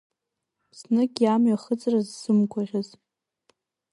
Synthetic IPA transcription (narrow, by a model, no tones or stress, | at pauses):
pʰsnɨɡʲʼjamɥaχət͡sʼrazːɨmkʷʰaʁʲaz